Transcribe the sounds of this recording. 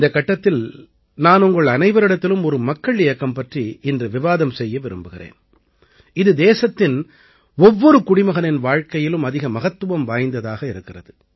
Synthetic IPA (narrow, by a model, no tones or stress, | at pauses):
ɪnd̪ɐkːɐʈːɐt̪ːɪl | naːnʊŋɡɐɭɐnɐɪʋɐɾɪɽɐt̪ːɪlɯmɔɾɯmɐkːɐɭɪjɐkːɐmpɐʈriɪndrɯʋɪʋaːðɐmsɛjːɐʋɪɾɯ̰mbɯɣɪrḛːn | ɪðɯd̪eːsɐt̪ːɪn | ɔʋːɔɾɯkʊɽɪmɐɣɐnɪnʋaːɻkɐjɪlɯmɐðɪɣɐmɐɣɐt̪ːɯʋɐmʋaːjnd̪ɐðaːɣɐɪɾɯkːɪrɐðɯ